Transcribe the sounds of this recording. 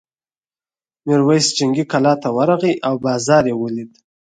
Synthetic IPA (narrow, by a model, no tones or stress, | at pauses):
miɾwajsd͡ʒaŋɡikalɑt̪awaɾaɣiʔawbɑzɑːɾjewəlid̪